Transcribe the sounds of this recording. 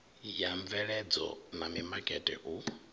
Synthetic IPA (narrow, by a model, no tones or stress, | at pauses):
jaɱvɛɺɛd͡zɔ̰namimakʼɛtʼɛ̰ʔu